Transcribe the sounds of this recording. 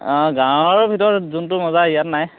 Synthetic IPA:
ɡãwɔɹbʱitɔɹzuntʊmɔzaijatnaj

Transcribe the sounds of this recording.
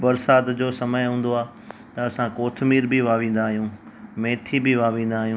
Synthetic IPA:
bɐɾsaːt̪d͡ʑoːsɐməjɦũːn̆d̪oaː | t̪ɐɐsãkoːt̪ʰmiːɾbɪʋaːʋĩːn̆d̪aːɦijũː | mẽːt̪ʰibɪʋaːʋĩːn̆d̪aːɦijũː

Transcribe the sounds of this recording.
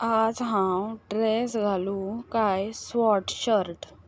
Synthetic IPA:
ad͡zɦãwɖɾesɡʱalukajsʋɔʈɕəɾʈ

